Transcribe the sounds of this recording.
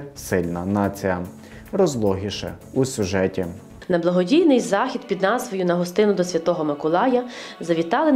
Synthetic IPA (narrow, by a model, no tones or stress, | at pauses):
sɪlʲnɐnɑt͡sʲijɐ | rɔzlˠɔɦʲiʃɛ̰ | usʲʊʒɛtʲi | nɐblˠɐɦɔdʲijnɪjzɑxʲid̪pʲid̪nɑzʋɔjunɐɦɔst̪ɪnʊd̪ɔsʲʋʲɐt̪ɔɦɔmɐkʊlˠɑjɐzɐʋʲit̪ɑlˠe